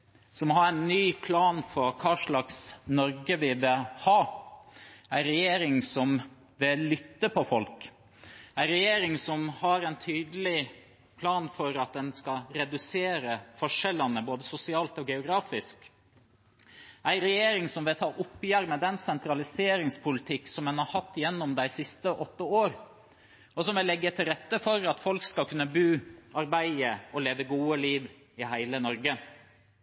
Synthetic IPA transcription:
sɔmːɔhɑɾæɪnːyːpʰlɑːnfɔɾkʰɑːʂɭɑksnɔɾɡəʋɪʋɛhɑː | æɪɾɛjeːɾɪŋsɔm | ʋɪlʏt̪ːəpʰɔfɔlk | æɪɾɛjeːɾɪŋsɔmhɑɾɛɪnt̪ʰyːd̪əlɪ | pʰlɑːnfɔɾɑt̪̚d̪ɛnskɑɾɛd̪ʉseːɾəfɔʂɛlɑnəboːd̪əsʊsɪɑːlt̪ɔɡɛʊɡɾɑːfɪsk | ʔæɪɾɛjeːɾɪŋsɔmʋɪlt̪ʰɑːʔʊpːjæɾmɛd̪ɛnsɛnt̪ɾɑlɪseːɾɪŋspʰʊlɪt̪ʰɪkːsɔmɛnhɑɾhɑt̪ːjɛnːɔmd̪æɪsɪst̪əʔɔt̪ːəoːɾ | ɔsɔmʋɪlːɛɡːət̪ʰɪlɾɛt̪ːəfɔɾɑt̪fɔlkskɑkʰʉnːəbʉːʔɑɾbæɪəɔleːʋəɡuːəliːʋ | ɪhæɪlənɔɾɡə

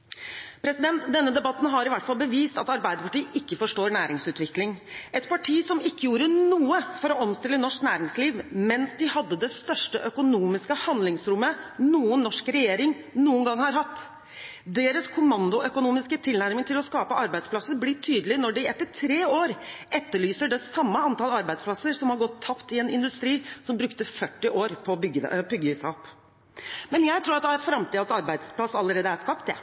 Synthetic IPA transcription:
pʰɾɛsɪd̪ɛnt̪d̪ɛnːəd̪ɛbɑt̪ːn̩ɦɑɾɪʋæʈːfɑlbəʋiːst̪ɑt̪ɑɾbæɪd̪əpʰɑʈiːəʔɪkːəfɔʂʈoːɾɳæːɾɪŋsʉːt̪ʋɪklɪŋɛt̪pʰɑʈʰiːsɔmɪkːəjuːɾənuːəfɔɾɔɔmst̪ɪlːənɔʂknæːɾɪŋsliːʋmɛnsd̪ɪhɑd̪ːəd̪ɛst̪œʂʈəʔœkʊnuːmɪskəhɑnd̪lɪŋsɾʊmːənuːənːɔʂkɾɛjeːɾɪŋ | nuːənɡɑŋhɑɾɦɑt̪ː | d̪eːɾəskʰʊmɑnd̪ʊʔœkʊnuːmɪskət̪ʰɪlnæɾmɪŋt̪ʰɪlɔskɑːpəʔɑɾbæɪd̪spʰlɑsəblɪʈʰyːd̪əlɪnɔɖɪɛt̪ːəʈʰɾeːoːɾʔɛt̪ːəɭyːsəɖɛsɑmːəɑnt̪ɑlɑɾbæɪspʰlɑsːəɾsɔmhɑɾɡɔt̪ʰːɑpt̪ɪɛnɪnd̪ʉst̪ɾiːsɔmbɾʉkt̪əfœʈːɪʔoːɾpʰɔbʏɡ̪̰ːbʏɡːəisæ̰ɔpː | mɛnjæɪt̪ʰɾuːɾɑt̪fɾɑmt̪ʰiːd̪əsɑɾbæɪspʰlɑsɑlːəɾeːd̪əæʂkɑpt̪jæ̰

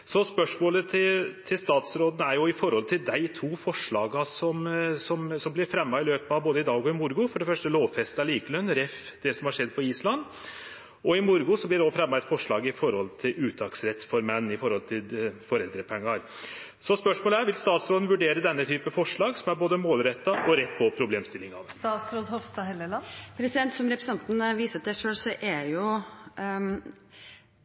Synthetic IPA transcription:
sɔspœʂmoːlət̪ʰɪt̪ʰɪlst̪ɑːt̪sɾoːd̪nəæɾjʊɪfɔɾhɔlt̪ʰɪld̪æɪt̪ʰuːfɔʂɭɑːɡɑsɔmsɔmsɔmblɪɾfɾɛmːɑɪløːpɑboːd̪əɪd̪ɑːɡɔɪmʊɾɡʊfɔɖɛfœʂʈəloːʋfɛst̪ɑliːkəlœnːɾɛf | d̪̥ɛsɔmhɑʂɛd̪ːpʰɔiːslɑnː | ɔɪmʊɾɡʊsɔblɪɖɔfɾɛmːɑɛt̪fɔʂɭɑːɡɪfɔɾhɔlt̪ʰɪlʉːt̪ʰɑksɾɛt̪ːfɔɾmɛnːɪfɔɾhɔlt̪ʰɪlfɔɾɛld̪ɾəpʰɛŋːɑɾ | sɔspœʂmoːləæɾʋɪlst̪ɑːt̪sɾoːd̪nʋʉɖeːɾəd̪ɛnːət̪ʰyːpəfɔʂɭɑːɡsɔmæɾboːd̪əmoːlɾɛt̪ːɑʔɔɾɛt̪ːpʰɔpʰɾʊbleːmst̪ɪlːɪŋɑʋ̪st̪ɑːt̪sɾoːd̪hɔʋst̪ɑhɛləlɑnpʰɾɛsɪd̪ɛnt̪sɔmɾɛpɾsɑnt̪n̩ʋiːsət̪sæɪʂøːlsɔʔæjʊ

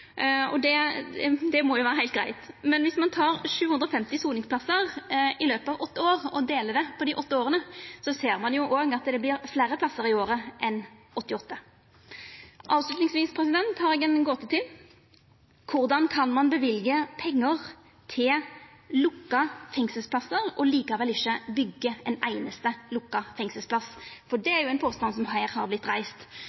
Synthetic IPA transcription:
ɔ̰d̪ɛ | d̪ɛmɔjʊʋæːɾəɦæɪlt̪ɡɾæɪt̪mɛnʋɪsmɑnt̪ʰɑːʁʂʉːʉnd̪ɾɔfɛmt̪ɪsuːlnɪŋsplɑsːəʁɪløːpəɑːʋɔt̪ːəoːʁɔd̪eːləd̪ɛpʰɔd̪ɪʔɔt̪ːəoːɾənəsɔseːɾmɑnjʊʔoːɡɑt̪d̪ɛblɪʁfleːɾəpʰlɑsəɾɪoːɾəʔɛn | ɔt̪ːɪɔt̪ːə | ʔɑːʋslʉt̪nɪŋsʋiːspʰʁɛsɪd̪ɛnt̪hɑɾɛɡɛnɡɔt̪ːət̪ʰɪl | kʰʊʁd̪ɑnkʰɑnmɑnbəʋɪlɡəpʰɛŋːəʁ | t̪ʰɪllʊkːɑfɛŋsəlspʰlɑsːəɾɔliːkɑʋɛlɪçːəbʏɡːəɛnæɪnəst̪əlʊkːɑfɛŋsəlspʰlɑsfɔɖɛæɾjʊæɛɪnpʰoːst̪ɑnsɔmhæɪɾhɑʁblɪt̪ːʁæɪst̪

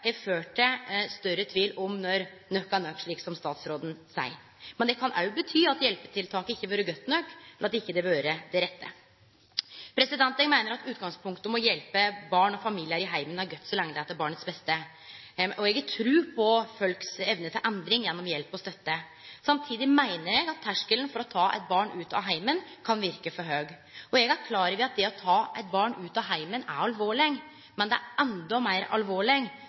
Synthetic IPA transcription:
ɛføːʈəst̪œɾət̪ʰʋiːlɔmnɔɾ | nœkːɑnœkːʂɭiːksɔmst̪ɑːt̪sɾoːd̪n̩sæ̰ɪ | mɛnd̪ɛkʰɑnʔɑ̰ʉbət̪ʰyːɑt̪jɛlpəʈ̪ʰɪlt̪ʰɑːkəɪçːəʋøːɾəɡœt̪ːnœkːlɑt̪ɪçːəd̪ɛʋøːɾəd̪ɛɾɛt̪ːə̰ | pʰɾɛsɪd̪ɛnt̪əmæɪnəɾɑt̪ʉːt̪ɡɑŋspʰʊŋkt̪əmɔjɛlpəbɑːɳɔfɑmiːlɪəæɾɪɦæɪmənæɾɡœt̪ːsɔlɛŋːəd̪ɛɛt̪ɛbɑːɳət̪sbɛst̪ə | ʔɔɛɡt̪ʰɾʉːpʰɔfœlksɛʋnət̪ʰɪlʔɛnd̪ɾɪŋjɛnːɔmjɛlpɔst̪œt̪ːə | sɑmt̪ʰiːd̪ɪmæɪnəɾɛɡɑt̪ʰːæʂkəln̩fɔɾɔt̪ʰɑːʔɛ̰t̪̚bɑːɳʉːt̪ɑ̰ɦæɪmənkʰɑnʋɪɾkəfɔɾɦøːɡ | ɔɛɡæɾkʰlɑːɾəɾʋɪɑt̪̚d̪ɛɔt̪ʰɑːʔɛɪt̪̚bɑːɳʉːt̪ɑɦæɪmənæ̰ɾɑlʋoːɭɪɡ | mɛnd̪ɛæɾɛnd̪ɔmæɪɾɑ̰lʋoːɭɪɡ

